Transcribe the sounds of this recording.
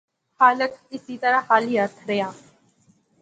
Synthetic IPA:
haːləkʰɪsiːt̪əɾaːhaːlɦiːəɾt̪ʰɾəjaː

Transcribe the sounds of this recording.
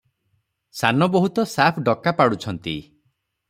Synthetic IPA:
sanɔbɔɦut̪ɔsapʰɖɔkapaɽut͡ʃʰɔnt̪ḭ

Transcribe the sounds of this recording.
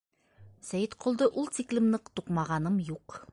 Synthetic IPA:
sæjɘt̪qʰŏlˠd̪ɤʔulˠt̪iklʲɘ̆mnɤqt̪uqmɑʁɑnɤmjuq

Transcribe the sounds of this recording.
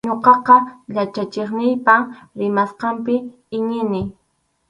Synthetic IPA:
ɲoqɑqɑʎat͡ʃat͡ʃeχnɪjpaɾɪmasqɑmpɪ | ɪɲɪnɪ

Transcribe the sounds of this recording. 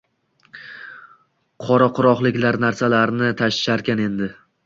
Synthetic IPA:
qʰɒɾaqʰʊɾɒχlˠɪkʲlaɾnaɾsalaɾnɪt̪ʰaʃɪ̥ʃaɾkʲane̞nd̪ɪ

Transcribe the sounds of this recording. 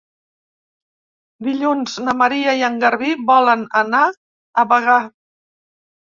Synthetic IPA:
d̪iʎunznəməɾiəiəŋɡəɾβiβɔlənəna | əβəɣ̞a

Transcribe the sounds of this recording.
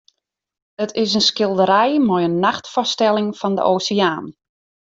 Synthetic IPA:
ətʰɪs̬ənskɪlˠdəɾɛjmɔjənːaxtfɔstɛlˠɪŋfɔndə̰ʔoːsəaːn

